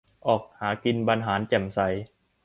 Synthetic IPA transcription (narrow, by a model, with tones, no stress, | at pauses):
ʔɔː˨˩k̚haː˩˦ki˧nba˧nɦaː˩˦nt͡ɕɛ˨˩msa˨˦j